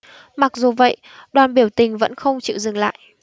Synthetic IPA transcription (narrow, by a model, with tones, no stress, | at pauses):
ma˨˩k̚zu˨˩və̰˧˨j | ɗwaː˨˩nɓi˧˩əwt̪ï˨˩ŋ̟və̰˧˥nxə˧wŋ͡mt͡ɕḭ˧˨zɨ˨˩ŋla̰ː˧˨jʔ